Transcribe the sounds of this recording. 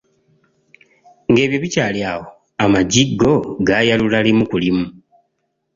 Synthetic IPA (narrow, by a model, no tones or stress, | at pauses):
ŋɡe̞ːβjo̞βicaːljawo | amaɟiɡːo̞ɡaːjalulalimukulimu